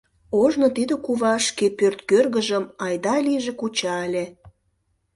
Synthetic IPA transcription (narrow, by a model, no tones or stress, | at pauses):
oʒnot̪id̪ə̆kuβɑʃkepørt̪kørɣəʒəmɑjd̪ɑliʒĕkut͡ɕɑelʲe